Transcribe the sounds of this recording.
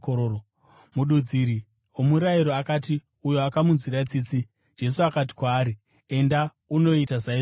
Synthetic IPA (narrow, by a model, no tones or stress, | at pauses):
koɾoo | muɗud͡ziɾi | omuɾaiɾoakati | ujoakamunziɾat͡sit͡si | d͡ʒe̞suakat̬i̥kwaːɾi | e̞nda | uno̞itazai